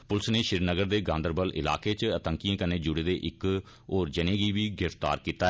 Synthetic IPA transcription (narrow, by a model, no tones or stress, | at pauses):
pʊlsneːʃɪɾnəɡəɾd̪eːɡãːnd̪əɾbəlʔɪ̰la̰ːkeːt͡ʃət̪əŋkijãːkənẽːd͡ʒʊɽeːd̪eːʔɪk | oːɾd͡ʒənẽːɡiːʋiːɡɾɪft̪a̰ːɾkiːt̪aɛ